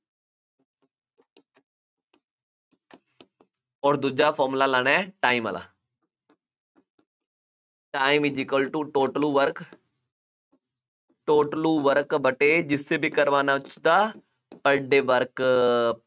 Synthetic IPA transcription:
ɔːɾd̪ud͡ʒaːpʰɔːmlaːlaːɽ̃aʈaːiːmə̰lʔa̰ː | ʈaːimɪd͡ʒikolʈuːʈoːʈəluːʋəɾk | ʈoːʈluːʋəɾkbəʈeːd͡ʒɪsːeːbʱiːkəɾʋaːnaːt͡ʃd̪aː | pəɖeːʋəɾk

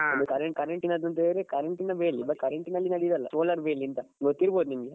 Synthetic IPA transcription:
ɐnukɐɾɐɳkɐɾeɳʈinɐd̪ɾɐnt̪eɾekɐɾeɳʈinɐʋeːlːibɐʈkɐɾeɳʈinɐlːinɐɽid̪ɐlːɐsoːlɐɾʋeːlːiːnt̪ɐɡot̪ːiɾboːd̪unimɐɡe

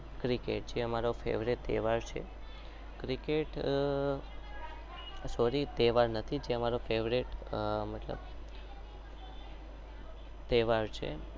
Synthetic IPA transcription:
kɾikeʈ̚d͡ʒeəmaɾofḛʋɾiʈt̪ḛʋaɾt͡ʃʰḛ | kɾikeʈ | soɾit̪ɛʋaɾnət̪ʰid͡ʒeəmaɾofeʋɾiʈmət̪lə̰b | t̪eʋaɾt͡ʃʰḛ

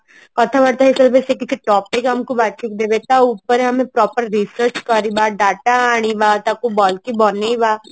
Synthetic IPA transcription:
kɐt̪ʰãbɐɽt̪aɦesəlbɛːsekɪt͡ʃʰiʈɔːpekɦɐmkobat͡ʃʰik̚d̪eːbet̪aʊːpəɾeɦɐmẽpɾɔːpəɾɾisəɾt͡ʃkɐɾibaːɖaːʈaaːɽ̃ibaːt̪akobɔːlkibɔːneibaː

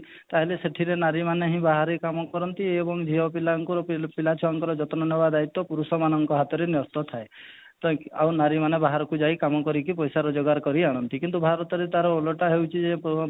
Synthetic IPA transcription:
t̪aɦeleseʈʰiɾenaɾimaneɦĩbaɦaɾekamɔkɔɾɔnt̪iebɔŋd͡ʒʱiɦɔpilaŋkuɾɔpilat͡ʃʰɔaŋkɔɾɔd͡ʒɔt̪ɔnɔnɔbad̪ait̪ːɔpuɾusɔmanɔŋkɔɦat̪ɔɾenɔst̪ɔt̪ʰae | t̪a̰wnaɾimanebaɦaɾɔkud͡ʒajkamɔkɔɾik̬ipɔjsaɾɔd͡ʒɔɡaɾkɔɾiaɽ̃ɔnt̪ikint̪ubʱaɾɔt̪ɔɾet̪aɾɔolɔʈaɦewt͡ʃʰid͡ʒepɔ

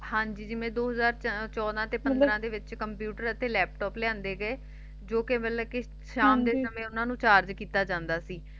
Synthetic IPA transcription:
hãːɲd͡ʒiːd͡ʒɪmẽːd̪oːɦəzaːɾt͡ʃɔːd̪ãːt̪eːpənd̪ɾãːd̪eːʋɪt͡ʃkəmpjuːʈəɾət̪eːlɛːp̚ʈɔːplɪjãːnd̪eːɡəeː | d͡ʒoːkɪbɛlːəːkɪ | ʃaːmd̪eːsəmẽːʊnãːnũːt͡ʃaːɾd͡ʒkiːt̪aːd͡ʒãːnd̪aːsiː

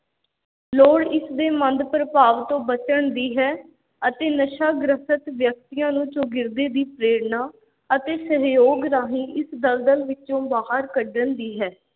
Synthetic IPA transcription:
loːɽɪsd̪eːmənd̪pəɾəpaːʋt̪õːbət͡ʃəɳd̪iːɦɛː | ət̪eːnəʃaːɡɾəsət̪ʋjək̚t̪ɪjãːnũːt͡ʃoːɡɪɾd̪eːd̪iːpɾeːɾnaː | ət̪eːsəɦjoːɡɾaːɦĩːʔɪsd̪əld̪əlʋɪt͡ʃõːbaːɦəɾkəɖənd̪iːɦɛː

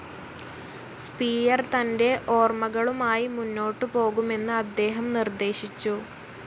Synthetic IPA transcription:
spiːjɐrt̪ɐnde̞ʔo̞ːrmɐɣɐɭumaːjimunːo̞ːʈːɨpo̞ːɣume̞nːɨɐd̪ːe̞ːɦɐmnird̪e̞ːɕit͡ɕːu

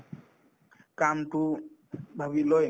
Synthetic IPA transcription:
kam̩tubawilɔ

